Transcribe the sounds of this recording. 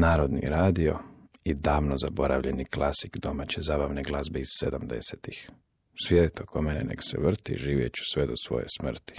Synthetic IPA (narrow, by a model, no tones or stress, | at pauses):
naːɾo̞d̪nḭɾaːd̪io̞̰ | id̪aːʋno̞zabo̞ɾaʋʎe̞niklˠasikd̪o̞mat͡ɕezaːbaʋneɡlˠazbeizsed̪amd̪e̞̰set̪ix | sʋjed̪et̪okʰomenenḛksḛʋr̩t̪ḭʒiːʋjet͡ɕu̥sʋed̪osʋo̞̰jḛsmr̩t̪i̥